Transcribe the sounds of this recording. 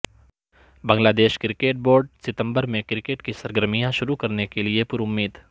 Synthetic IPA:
bɐ̃ŋɡlaːd̪eːʃkɪɾɪkeːʈ̚boːɾɖsɪt̪ə̃mbəɾmẽkɪɾɪkeːʈkisɐɾɡəɾmijãʃʊɾukɐɾnekeliepʊɾʊmːiːd̪

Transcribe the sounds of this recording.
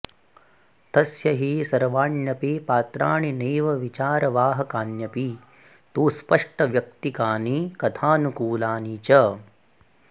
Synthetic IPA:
t̪ɐsjɐɦisɐɾʋaːɳjɐpipaːt̪ɾaːɳineːʋɐʋit͡ʃaːɾɐʋaːɦɐkaːnjɐpi | t̪uːspɐʂʈɐʋjɐk̚t̪ikaːnikɐt̪ʰaːnukuːlaːniːt͡ʃɐ

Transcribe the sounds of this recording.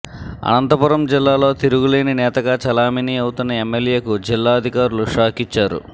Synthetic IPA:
ɐ̰nɐnt̪ɐpuɾɐmd͡ʒilːaːlo̞ːt̪iɾuɡule̞ːninɛːt̪ɐɡaːt͡ʃɐlaːminiːɐwut̪unːɐemːelje̞ːkud͡ʒilːaːɐd̪ʱikaːɾuluʂaːkit͡ʃːaːɾṵ

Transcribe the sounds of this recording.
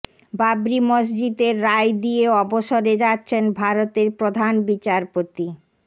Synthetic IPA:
babɾimosd͡ʑid̪eɾːajd̪ieɔboʃoɾed͡ʑatːɕʰenbʱaɾot̪eɾpɾod̪ʱanbit͡ɕaɾpot̪i

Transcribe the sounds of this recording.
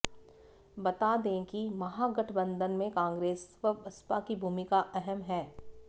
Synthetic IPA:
bɐt̪ad̪ẽkimɐɦaɡɐʈʰbə̃nd̪ənmẽkãːŋɡɾeːsəɐspakibʱuːmɪkaʔɛɦɛmɦɛː

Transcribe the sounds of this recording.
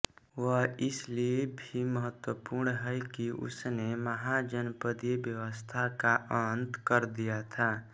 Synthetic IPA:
ʋəɪsliebʱiməɦət̪wəpuːɾɳɦɛjkiʔʊ̰sneməɦad͡ʒənpəd̪ebjəʋəst̪ʰakaʔənt̪kəɾd̪ijat̪ʰaː

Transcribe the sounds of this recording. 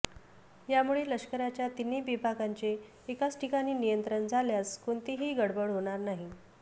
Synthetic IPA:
jamuɭeləɕkəɾat͡ɕjat̪iniːbibʱakaɲt͡seː | kat͡sʈʰikaniːnijənt̪ɾənd͡zʱaljaskoɳt̪iɦiːɡəɽbəɭɦoɽ̃aɾnaɦi

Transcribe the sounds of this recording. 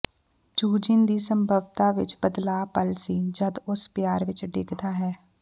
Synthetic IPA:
d͡ʒuːd͡ʒɪnd̪iːsəmbʱəʋt̪aːʋɪ̰t͡ʃbəd̪laːpəlsiːd͡ʒəd̪ʊspɪjaːɾʋɪt͡ʃɖɪkʰd̪aːɦɛː

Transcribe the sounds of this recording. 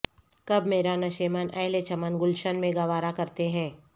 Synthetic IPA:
kɐbmeːɾanɐʃemənʔɛːɦlet͡ʃɐmənɡʊlʃənmẽɡɐʋaːɾakɐɾt̪eɦɛ̃ː

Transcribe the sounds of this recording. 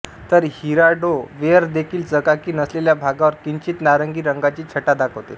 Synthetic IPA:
t̪əɾɦhiɾaɖoʋeəɾd̪ekʰiːld͡zəkakiːnəsleljabʱaɡaʋəɾkiɲt͡ɕiːt̪naɾəŋɡiːɾəŋɡat͡ɕiːt͡ɕʰəʈad̪akʰəwt̪e

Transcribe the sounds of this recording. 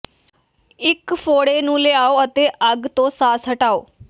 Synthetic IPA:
ikfoːɽenũːleaoət̪eʔəɡt̪osaːsɦəʈaːoː

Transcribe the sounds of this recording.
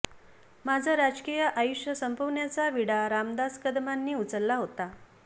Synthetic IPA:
mad͡zʱaɾad͡zkijəʔajuʂjəsəmpəʋnjat͡saʋiɽaɾamd̪askəd̪manːiːut͡səɾlaɦot̪a

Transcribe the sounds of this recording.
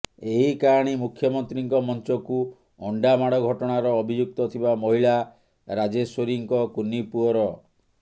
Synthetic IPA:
eɦikaɔɽ̃imukʰːjɔmɔnt̪ɾiŋkɔmɔnt͡ʃɔku | ɔɳɖamaɽɔɡʱɔʈɔɽ̃aɾɔːbʱid͡ʒuk̚t̪ɔt̪ʰibamɔɦiɭa | ɾad͡ʒeswoɾiŋkɔkunipuɔɾɔ

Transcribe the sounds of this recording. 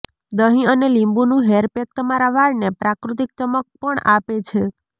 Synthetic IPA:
d̪əɦĩənelimbunũɦeɾpek̚t̪əmaɾaʋaɽnepɾakɾut̪ik̚t͡ʃəmək̚pəɳapet͡ʃʰe

